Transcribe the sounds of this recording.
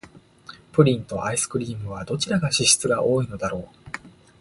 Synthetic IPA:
pɯ̟ɾʲĩnt̪o̞̰ʔaisɨ̥kɯ̟ɾʲiːmɯ̟β̞ad̪o̞t͡ɕiɾaɡaɕiɕi̥t͡sɨɡaʔo̞ːino̞d̪aɾo̞ː

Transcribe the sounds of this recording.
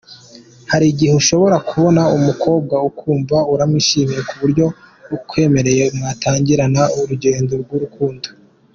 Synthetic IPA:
haɾiɟiheuʃo̞βo̞ɾakuβo̞naumukʰo̞ːb̚ɡaukuːɱvauɾamiʃiːmijekuβuɾɟo̞ | kʰwe̞ːme̞ɾe̞je̞umŋataːɲɟiɾanauɾuɟe̞ːndo̞ɾɡwuɾukuːndo

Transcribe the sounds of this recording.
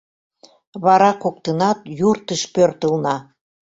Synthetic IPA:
βɑɾɑkok̚t̪ənɑt̪jurt̪əʃpørt̪əlnɑ

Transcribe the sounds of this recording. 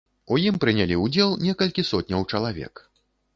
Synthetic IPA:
ujimpɾɨnʲalʲiud͡zʲɛlˠnʲɛkɐlʲkʲisɔt̪ʲnʲɐwt͡ʂɐlˠavʲɛ̰k

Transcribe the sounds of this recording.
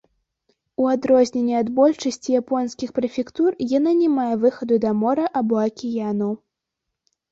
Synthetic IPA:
uad̪ɾɔzʲnʲɛnʲːiad̪bɔlʲt͡ʂɐsʲt͡sʲijapɔnskʲixpɾɐfʲɛkt̪urjananʲɛmajɛvɨxɐd̪ud̪ɐmɔɾɐʔabɔɐkʲijanɐw

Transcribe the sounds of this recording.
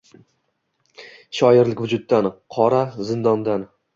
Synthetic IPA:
ʃɒjɪɾlɪkʲvʊd͡ʒʊt̪̚ːanqʰɒɾazɪnd̪ɒnd̪an

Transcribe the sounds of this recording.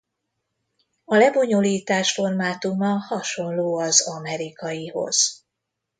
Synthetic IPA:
ɒlɛbo̞ɲoliːt̪aːʃfo̞rmaːt̪umɒhɒʃo̞nloːɒzɒmɛɾikɒjiho̞̰z̥

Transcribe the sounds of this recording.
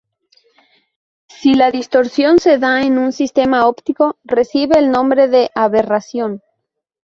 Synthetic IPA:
silaðist̪o̞ɾsjo̞nse̞ðaenũnsist̪e̞maopt̪iko̞re̞siβeːlnõ̞mbɾe̞ðe̞ʔaβerasjo̞n

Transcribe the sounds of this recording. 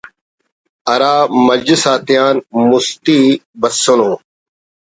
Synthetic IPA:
ɐɾaːmɐd͡ʑəsaːt̪ɪjaːnmust̪iːbɐsːonõː

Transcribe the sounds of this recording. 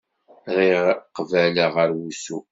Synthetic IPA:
ɾiqvæləʁəɾwusu

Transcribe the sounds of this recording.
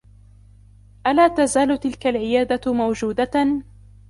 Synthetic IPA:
ʔalaːt̪azaːlʊt̪ɪlkalʕɪjaːd̪amawd͡ʒuːd̪a

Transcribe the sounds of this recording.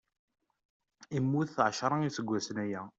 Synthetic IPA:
imːuθθʕəʃɾˤɑisəɡʷːæsənæjæ

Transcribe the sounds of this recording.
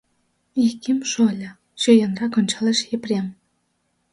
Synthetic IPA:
ihkimʃolʲɤ̆ | ɕøjɑ̆nrɑkŏnʲt͡ɕɑlĕʃeprem

